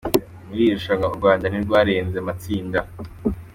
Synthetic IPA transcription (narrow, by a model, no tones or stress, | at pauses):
muɾiuʃaŋauɾɡwaːndaniɾɡwaːɾeːnzemat͡siːnda